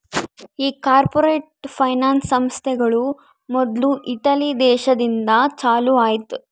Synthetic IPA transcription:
iːkaːɾpoɾeːʈpʰɐjnaːnsɐmst̪ʰɛɡɐɭu | mɔd̪luʔiʈɐlid̪ɛːʃɐd̪ind̪ɐt͡ʃaːluaːjit̪u

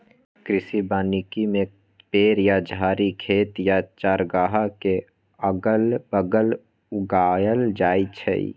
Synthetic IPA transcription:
kɾɪsibaːnikimẽ | peːɾjad͡ʒʱaːɾikʰeːt̪jat͡ʃaːɾɡaːɦake | əɡəlbəɡəl | ʊɡaːjəld͡ʒaːit͡ʃʰə̰ḭ

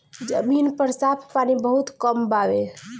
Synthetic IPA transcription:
d͡ʒəminpəɾsapʰpanibəɦut̪kəmbaʋe

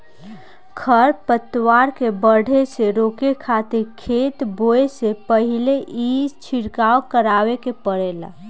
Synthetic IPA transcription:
kʰəɾpət̪waɾkebəɽ̤ʱeseɾoːkekʰat̪iɾkʰet̪boesepəɦileʔid͡ʒt͡ʃʰiɾkaokəɾawekepəɽela̰

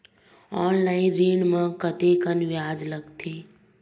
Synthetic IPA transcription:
ɔːnlaːɪnɾiːɳmə̃kət̪ekənʋjaːd͡ʒləɡt̪ʰeː

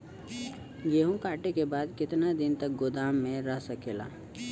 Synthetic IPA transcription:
jeːɦũkaːʈekebaːd̪kɪt̪nad̪ɪnt̪ɐk̚ɡʊd̪aːmːẽɾɐɦsɐkeːla̰ː

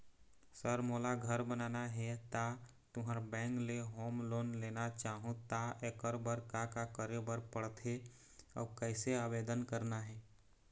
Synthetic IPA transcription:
səɾmoːlaɡʱəɾbənaːnaɦɛt̪a | t̪ʊɦaɾbɛ̃ːŋkleɦoːmloːnleːnat͡ʃaːɦũt̪aekəɾbəɾkakakəɾebəɾpəɽt̪ʰe | ɔ̰ːkɛɪseaːʋeːd̪ənkəɾnaɦɛː

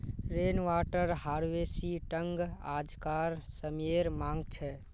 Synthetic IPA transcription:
ɾenʋaʈəɾɦaɾʋesiʈəŋɡa̰d͡ʒkaɾsəmeɾmãŋɡt͡ʃʰɛ

